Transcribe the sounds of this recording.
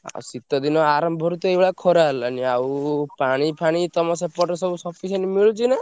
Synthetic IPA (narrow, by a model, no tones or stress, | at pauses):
a̰sit̪ɔd̪inɔaɾɔmbʱɔɾut̪ɔebʱɭakʰɔɾaɦelaniawpaɽ̃ipʰaɽ̃it̪ɔmɔsepɔʈɔsɔbusɔpʰisenimiɭut͡ʃʰina